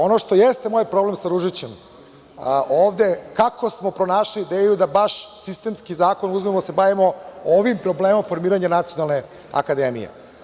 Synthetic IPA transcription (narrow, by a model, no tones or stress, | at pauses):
o̞noʂt̪o̞jest̪emo̞ːjpɾoble̞msaɾuʒit͡ɕe̞m | ʔoːʋd̪ekakʰo̞smo̞pɾo̞naːʃliːd̪eːjud̪abaʃsist̪eːmskizaːko̞nuzmemosebaʋimo̞oʋimpɾo̞bleːmomfo̞ɾmiːɾaɲanat̪sijo̞nalˠne̞ | a̰kad̪eːmijḛ